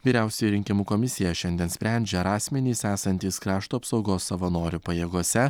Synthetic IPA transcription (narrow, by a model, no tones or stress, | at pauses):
ʋʲiːɾʲæˑʊsʲɛjiɾʲɪŋʲkʲɪmuːkɔmʲɪsʲɪjɛʃʲɛnʲd̪ʲiɛnsʲpʲɾʲɛˑnʲd͡ʒʲɛɐɾɑːsʲmʲɛnʲiːsæːsɐnʲt̪ʲiːskɾɑːʃt̪uɐpsɒʊɡoːsːɐʋɐnoːɾʲupɐjeːɡoɔsʲɛ